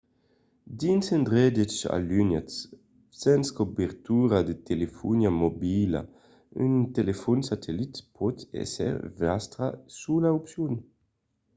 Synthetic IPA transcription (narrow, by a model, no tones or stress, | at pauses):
d̪insend̪ɾed̪et͡ʃa̰lynjat̪ | sɛnskobeɾt̪uɾad̪et̪elefunjamobila̰ | y̰nt̪elefunsat̪ʰɛlit̪pʰɔt̪ɛ̰sɛ̰ɾvast̪ɾasulaupsjun